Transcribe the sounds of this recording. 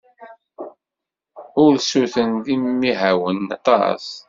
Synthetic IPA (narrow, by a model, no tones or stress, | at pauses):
ʊɾsuθənðimːiɦawənːɑ̰t̪ˤɑ̰s